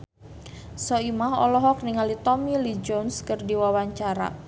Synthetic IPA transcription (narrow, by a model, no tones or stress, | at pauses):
sɔimaɦɔ̰lɔɦɔk̚niŋalit̪ɔmilid͡ʒonskərdiwawaɲt͡ʃaɾa̰